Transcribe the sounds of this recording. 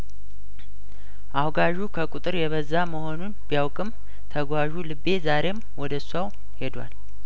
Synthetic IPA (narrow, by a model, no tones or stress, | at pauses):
ʔawɡaʒukʰəkʼut̪ʼɨɾjɛβəzːaməho̞nunbijawkʼɨm | t̪ʰəɡʷwaʒulɨbːe̞zaɾe̞mwɔd̪əsaw | he̞d̪wa̰l